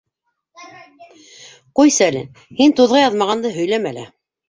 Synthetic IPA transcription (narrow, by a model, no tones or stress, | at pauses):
qujsælɘ̰ | hint̪uðʁɑjɑðmɑʁɑnd̪ɤɦɵ̆jlæmælæ̰